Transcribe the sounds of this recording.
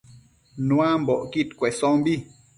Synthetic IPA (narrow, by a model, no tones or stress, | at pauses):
nũãmbɔʔkit̪kwesɔ̃mbi